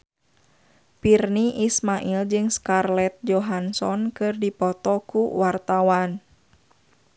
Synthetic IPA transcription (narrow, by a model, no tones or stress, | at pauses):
pirniʔismaʔild͡ʒɨŋskarlɛt̪̚d͡ʒɔɦansɔnkɨrdipɔt̪ɔkuwart̪awan